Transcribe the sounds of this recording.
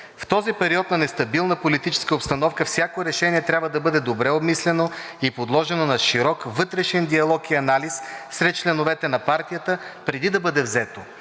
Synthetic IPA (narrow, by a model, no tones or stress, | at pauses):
ft̪ɔzipɛɾiɔt̪nɐnɛst̪ɐbilˠnəpolit̪it͡ʃɛ̥skəopst̪ɐnɔfkəfsʲjakoɾɛʃɛniɛt̪ɾʲabvəd̪ɐbɤd̪ɛd̪obɾɛobmislɛno | ipod̪lˠɔʒɛnonɐʃiɾɔkvɤt̪ɾɛʃɛnd̪iɐlˠɔkiɐnalissɾɛt̪̚t͡ʃlɛnovɛt̪ɛnɐpaɾt̪ijət̪əpɾɛd̪id̪ɐbɤd̪ɛvzɛt̪o